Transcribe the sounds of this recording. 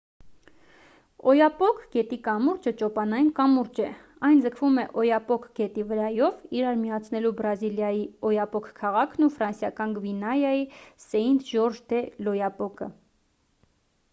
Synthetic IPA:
ɔjɑpɔkʰɡ̥ɛt̪ikɑmuɾd͡ʒət͡ʃɔpɑnɑjinkɑmuɾd͡ʒɛ | ɑjnd͡zəkʰvumɛʔɔjɑpɔkʰɡ̥ɛt̪ivəɾɑjɔviɾɑɾmijɑt͡sʰnɛlubɾɑziljɑjiɔjɑpɔkʰkʰɑʁɑkʰnufɾɑnsjɑkɑnɡvinɑjɑjisɛind̪ʒɔɾʒd̪ɛlɔjɑpɔkə

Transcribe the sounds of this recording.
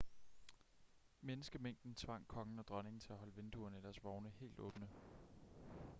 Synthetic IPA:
menəsɡ̥əmeŋ̰d̥n̩t͡sʰʋɑ̈ŋ̰kʰɒ̽ŋn̩ɒ̽d̥ʁɶne̝ŋn̩t͡sʰe̝æɦɒ̽ləʋend̥uɐnæd̥æɐsʋɒʊnəhe̝̰ːld̥ɔ̰̽ːb̥nə

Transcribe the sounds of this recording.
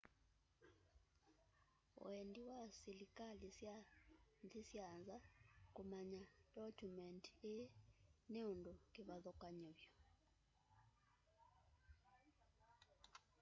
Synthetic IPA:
w̰endiwasilikʼalisjand͡zisjanzakumaɲadɔkumɛnteneundɔkiβaðɔkʼaɲɔβjɔ

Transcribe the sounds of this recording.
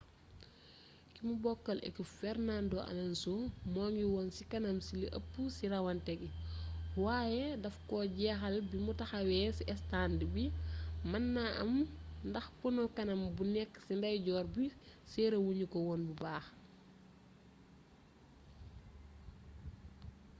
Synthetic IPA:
kimubɔkːɐlɛ̰kufɛrnandoʔɐ̰lɐnsomɔːŋiwɔnsikɐnɐmsiliʔɐ̰pːusiɾɐwɐntɛɡiwaːjɛdɐfkɔːɟɛːxɐlbimutɐxɐwɛsiʔɛstandibimɐnːaʔɐ̰mndɐxpunɔkɐnɐmbunɛkːsindɐjɟɔːɾbisɛːɾɐwuɲukɔwɔːnbubaːx

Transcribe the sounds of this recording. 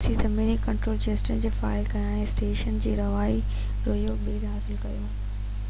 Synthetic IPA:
t͡ɕʰit̪ɐmeːnikɐ̃ɳʈɾoːld͡ʑeːsʈənd͡ʑeːfa̰ːɪlkɐjãːɦẽsʈeːʃənd͡ʑeːɾɐʋaːi | ɾoːjobiːɾɦaːsɪlkɐjoː

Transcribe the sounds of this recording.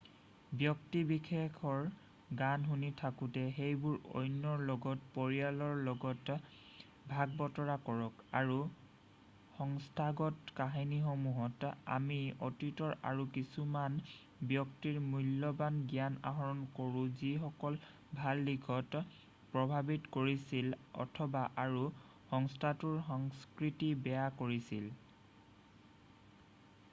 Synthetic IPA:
bjɔktibikʰekʰɔɹ | ɡanɦunitʰakutɛxejbʊɹo̰jnːɔɹlɔɡɔtpoɹijalɔɹlɔɡɔt | bʱaɡ̚bɔtɔɹakɔɹɔka̰ɹu | xɔŋstʰaɡɔtkaɦiniɦɔmuɦɔta̰miɔtitɔɹa̰ɹukisuman | bjɔktiɹmulːɔbanɡiana̰ɦɔɹɔnkoɹũzixɔkɔl | bʱalːiɡʰɔt | pɹɔbʱabitkoɹisilɔ̰tʰɔbaʔaɹu | xɔŋstʰatuɹxɔŋskɹitibɛjakoɹisil

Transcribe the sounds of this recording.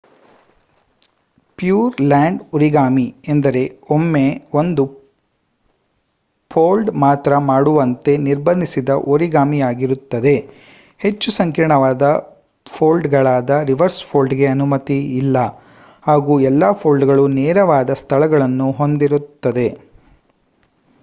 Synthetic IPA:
pjuːɾlaːɳɖuɾiɡaːmiend̪ɐɾe̞omːe̞o̞nd̪u | pʰoːlɖmaːt̪ɾɐmaːɽuʋɐnt̪e̞niɾbɐnd̪ʱisid̪ɐʔoɾiɡaːmijaːɡiɾut̪ːɐd̪e̞ | he̞t͡ʃːusɐŋkiɾɳɐʋaːd̪ɐ | pʰoːlɖɡɐɭaːd̪ɐɾiʋɐɾspʰoːlɖɡe̞ɐnumɐt̪iːlːɐ | haːɡuːɛlːaːpʰoːlɖɡɐɭunɛːɾɐʋaːd̪ɐst̪ʰɐɭɐɡɐɭɐnːuɦo̞nd̪iɾut̪ːɐd̪e̞

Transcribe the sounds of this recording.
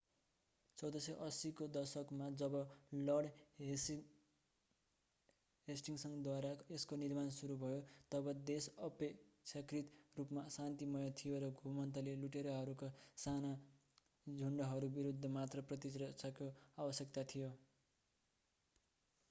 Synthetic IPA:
t͡sʌwd̪ʌsʌʔʌsikod̪ʌrsʌkmad͡zʌbʌlʌɽ | ɦesʈiŋsʌŋd̪waɾaeskonirmansuɾubʱʌjot̪ʌbʌd̪esʌpekt͡sʰakrit̪rupmasant̪imʌjʌt̪ʰijoɾʌɡʱumʌnt̪ʌleluʈeɾʌɦʌɾukosana | d͡zʱuɳɖʌɦʌɾubiɾud̪ʱːʌmat̪rʌprʌt̪isrʌsʌkjoabʌsjʌkt̪at̪ʰijo

